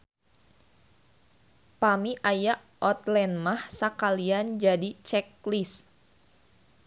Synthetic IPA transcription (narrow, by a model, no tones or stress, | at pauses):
pamiʔajaʔ | ʔɔt̪lɛnmahsakaliand͡ʒadit͡ʃɛklis